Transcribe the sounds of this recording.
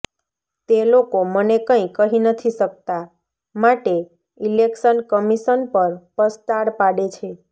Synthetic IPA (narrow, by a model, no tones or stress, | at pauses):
t̪elokomənekə̃ĩkəɦinət̪ʰisək̚t̪a | maʈe | ilekʃənkəmiʃənpəɾpəst̪aɽpaɽet͡ʃʰe